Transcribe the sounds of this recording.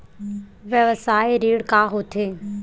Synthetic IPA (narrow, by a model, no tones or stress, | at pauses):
ʋjəʋəsaːeɾiːɽkaɦot̪ʰeː